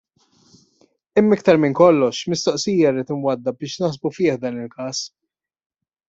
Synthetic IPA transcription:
ɪmːɪkt̪ɐɾmɪŋkɔlːɔʃmɪst̪ɔʔsiːjɐriːt̪ɪnwɐd̪ːɐbɪːʃnɐħsbufɪːħd̪ɐːnɪlkɐːs

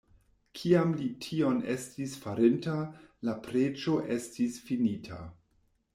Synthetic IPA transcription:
kʰiamlitʰio̞ne̞̰stisfaɾintalapɾed͡ʒo̞ʔe̞stisfinitʰa̰

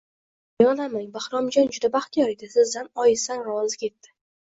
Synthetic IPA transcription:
jɒlamaŋbahɾɒmd͡ʒɒnd͡ʒʊd̪abaχt̪ʰijɒɾed̪ɪsɪzd̪anɒjɪsanɾɒwɒzɪkʲe̞t̪ːɪ̥

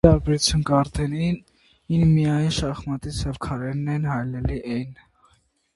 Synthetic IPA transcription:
ɑɾbɛɾut͡sʰjunkɑɾt̪ʰɛnin | inmijɑjnʃɑχmɑt̪it͡sʰɛvkʰɑɾɛnːɛnhɑjnɛliʔɛjn

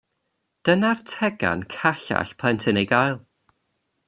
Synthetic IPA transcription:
d̥ənartʰɛɡa̰nkʰaɬa̰ɬpʰl̥ˠɛntʰɪnejɡajlˠ

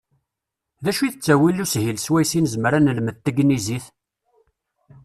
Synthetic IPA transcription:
ðæʃuθət͡sːæwilushilswæjsinəzməɾænəlmət̪ːəɡniziθ

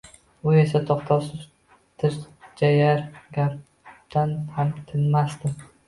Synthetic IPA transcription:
ʊe̞sat̪ʰɒqt̪ʰɒsɪz | t̪ʰɪɾd͡ʒajaɾɡʲaɾp | t̪ʰanhamt̪ʰɪnmast̪ɪ

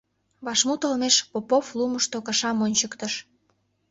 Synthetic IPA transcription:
βɑʃmut̪olmeʃpopofluməʃt̪okəʃɑmonʲt͡ɕəkt̪əʃ

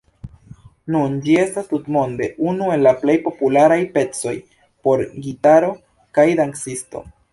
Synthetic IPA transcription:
nund͡ʒie̞stastutmo̞ndeʔunue̞nlaple̞jpo̞pulaɾajpe̞t͡so̞j | po̞ɾɡitaɾo̞ | kajd̪ansisto̞̰

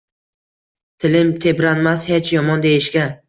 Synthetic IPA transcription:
t̪ʰɪlɪmt̪ʰepɾanmashet͡ʃjɒmɒnd̪ejɪʃɡʲa

